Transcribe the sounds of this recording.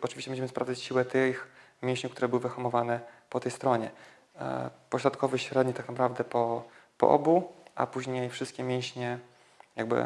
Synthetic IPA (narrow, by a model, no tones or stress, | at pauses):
ɔtt͡ʂɨviɕt͡ɕɛmũd͡ʑʑɛmɘspɾavdd͡z̪at͡ɕɕiwɛt̪ɘx | mʲjɛ̃w̃ɕɲkt̪uɾɛbɘwɘvɘxɔmɔvanɛpɔt̪ɛjst̪ɾɔɲɛ̰ | pɔɕɾɔt̪̚kʰɔvɛɕɾɛd̪ɲiɛt̪aknapɾavd̪ɛpɔpɔ̰ʔɔ̰buʔa̰puʑɲejfʂɘst̪̚kʲɛmʲjɛ̃w̃ɕɲɛ | jaɡ̚bɘ̰